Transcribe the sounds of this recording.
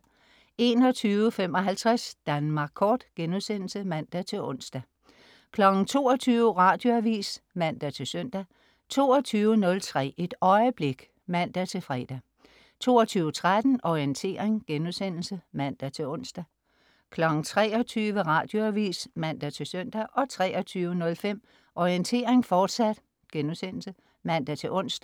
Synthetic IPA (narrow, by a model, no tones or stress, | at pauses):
e̝ːnɒ̽t͡sʰyːʋəfem̰ɒ̽ɦælt͡sʰʁɛsd̥ænmɑ̈ɡ̥̚ʰɒːd̥ɡ̥enuðsen̰l̩səmæn̰d̥æt͡sʰe̝lʔɔ̽n̰sd̥æ | kʰlɒ̽ɡ̥n̩t͡sʰo̝̰ːɒt͡sʰyːʊʋəʁɑ̈d̥jo̝æʋḭːs | mæn̰d̥æt͡sʰe̝lsøn̰d̥æ | t͡sʰo̝̰ːɒt͡sʰyːʊənɔ̽lt͡sʰʁɛ̰ːe̝d̥ɒ̽ɪəb̥le̝ɡ̥ | mæn̰d̥æt͡sʰe̝lfʁɛd̥æ | t͡sʰo̝ːɒt͡sʰyːʊət͡sʰʁad̥n̩ʔɒiənt͡sʰe̝̰ːɐʁeŋɡ̥enusen̰l̩səmæn̰d̥æt͡sʰe̝ɔ̽n̰sd̥æ | kʰlɒ̽ɡ̥n̩t͡sʰʁɛ̰ːɒ̽t͡sʰyːʋəʁɑ̈ːd̥jo̝æʋḭːsmæn̰d̥æt͡sʰe̝lsøn̰d̥æʔɒ̽t͡sʰʁɛɒ̽t͡sʰyːʊənɔ̽lfem̰ | ʔɒiənt͡sʰe̝̰ːɐeŋfɒːd̥sæd̥ | ɡ̥enusen̰l̩sə | mæn̰d̥æt͡sʰe̝ʔɔ̽n̰sd̥